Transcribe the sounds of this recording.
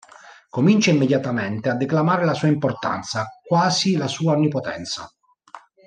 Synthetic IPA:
komint͡ʃaimːed̪jat̪ament̪ead̪ːeklamaːɾelasuːaimport̪a̰nt̪sakwaːzilasuːaonːipot̪ɛ̰nt̪sa̰

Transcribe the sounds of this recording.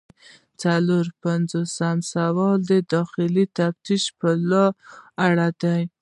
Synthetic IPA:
t͡saloɾpanzosamsawɑld̪əd̪ɑxɪlit̪aft̪iʃpəlɑaɽad̪aj

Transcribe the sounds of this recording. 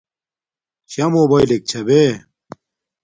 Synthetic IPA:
ɕɐmobɐjlek̚t͡ɕʰɐbe

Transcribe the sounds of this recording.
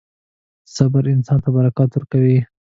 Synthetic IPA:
sabaɾɪnsɑnt̪abaɾakɑt̪wʊɾkawi

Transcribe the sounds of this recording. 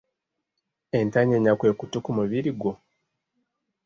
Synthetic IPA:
e̞ntaɲeɲakwe̞ːkutukumuβiɾiɡwo

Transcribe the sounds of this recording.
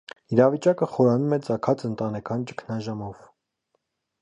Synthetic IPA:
iɾɑvit͡ʃɑkəχɔɾɑnumɛt͡sɑkʰɑt͡sənt̪ɑnɛkʰɑnt͡ʃə̥kʰnɑʒɑmɔv

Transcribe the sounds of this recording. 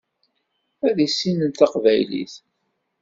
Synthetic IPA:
æðisːinənt̪ɑqvæjlḭθ

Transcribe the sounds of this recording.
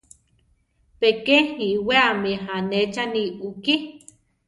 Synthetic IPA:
pekehiweamiɦanet͡ʃaniuki

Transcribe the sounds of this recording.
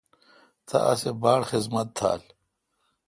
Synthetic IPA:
t̪ʰɐ̰ʔɐsebaːɽxizmɐt̪̚ʰːa̰ːl

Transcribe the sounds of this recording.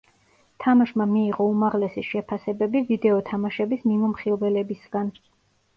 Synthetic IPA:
t̪ʰamaʃmamiːʁɔumaʁlɛsiʃɛpʰasɛbɛbivid̪ɛɔt̪ʰamaʃɛbismimɔmχibɛlɛbisɡ̥an

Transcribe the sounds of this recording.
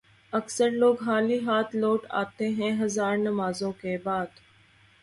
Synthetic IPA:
əksəɾloːɡɦaːliːɦaːt̪ʰloːʈa̰ːt̪eɦɛ̃ɦɐzaːɾnəmaːzõkebaːd̪

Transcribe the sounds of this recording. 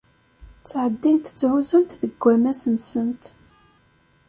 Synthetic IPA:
t͡sːʕəd̪ːint̪t͡sːʕuzʊnt̪ðəɡʷːæmæsəmsənt̪

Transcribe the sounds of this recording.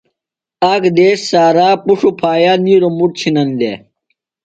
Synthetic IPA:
akd̪eːsːaːɾaːpuʂupʰaːjaːniːɾomuʈ̚t͡ɕʰinɐnd̪ḛ

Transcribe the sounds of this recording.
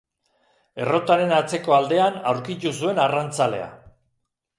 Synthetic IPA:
e̞ro̞t̪aɾe̞nat͡se̞ko̞ald̪e̞anawɾkit̪usue̞narant͡sale̞̰a̰

